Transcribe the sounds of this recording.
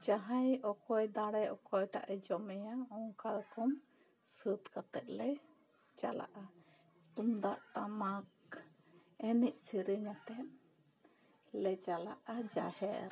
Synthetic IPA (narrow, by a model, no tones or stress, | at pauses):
d͡ʒaɦajɔkɔjd̪aɽɛʔɔkɔjʈa̰ʔɛd͡ʒɔmɛjaɔŋkaɾɔkɔm | sɨt̪kat̪ɛt̪̚lɛj | d͡ʒa̰la̰ʔa | t̪umd̪aʔʈamak̚ | ɛnic̚siɾiɲat̪ɛn | lɛd͡ʒala̰ʔad͡ʒa̰hɛɾ